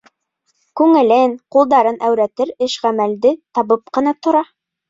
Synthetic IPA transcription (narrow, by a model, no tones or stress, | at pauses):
kʉŋɘ̆lɘnqulˠd̪ɑɾɤnʔæwɾæt̪ɘɾɘʃʁæmæld̪ɘt̪ɑβɤp̚qɤ̆nɑt̪ŏɾɑ